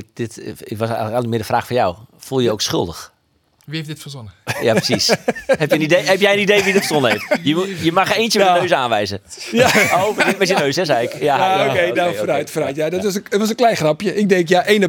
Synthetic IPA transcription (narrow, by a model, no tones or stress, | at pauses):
td̥ɪtɪʋɔsɛɣləkanmɪːədəfraːxfɔnja̰wfulˠjəoksxʏ̰lˠdəx | ʋiefdɪtfəzonəjaːprəsishɛpjəənidejhɛpjɛjənidejʋidɪtfəsonəeftjəjəmaxeːntjəmːnøːsaːnʋɛjzəjaovdɪtmɛtjənøɥsɛsɛjɪkjaokejdafɾajtfərajtjadɔtʋɔsətʋɔsənklɛjxrapjəɪk̚dɛŋkjaʔeːnə